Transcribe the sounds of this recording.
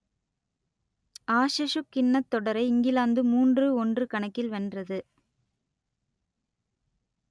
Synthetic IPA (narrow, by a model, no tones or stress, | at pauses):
aːʂɐʂɯkːɪɳːɐt̪ːɔɽɐɾɐɪɪŋɡɪlaːnd̪ɯmuːndrɯɔndrɯkɐɳɐkːɪlʋɛndrɐðɯ